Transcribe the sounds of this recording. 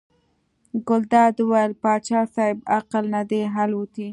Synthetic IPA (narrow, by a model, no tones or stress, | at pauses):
ɡʊld̪ɑd̪wajəlpɑt͡ʃɑsɑɪbaqalnad̪eɦalwut̪i